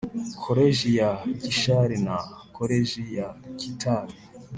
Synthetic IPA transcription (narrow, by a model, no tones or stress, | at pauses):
kʰoɾeʒijakiʃaɾinakʰoɾeʒijakitʰaɾi